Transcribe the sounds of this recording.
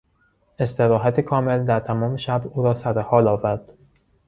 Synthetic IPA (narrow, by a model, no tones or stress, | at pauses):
e̞st̪e̞ɾɒːɦæt̪ʰekʰɒːme̞ld̪æɾt̪ʰæmɒːmeʃæbuːɾɒːsæɾehɒːlɒːvæɾd̪̥